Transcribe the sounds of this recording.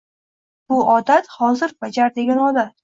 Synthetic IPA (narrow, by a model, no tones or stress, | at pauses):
b̥ʊʔɒd̪at̪hɒzɪɾb̥ad͡ʒaɾd̪e̞ɡʲanɒd̪at̪